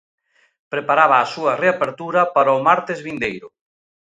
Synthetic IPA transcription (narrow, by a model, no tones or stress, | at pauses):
pɾepaɾaβaːsuɐreapeɾt̪uɾɐpaɾaʊmaɾt̪ezβind̪ejɾʊ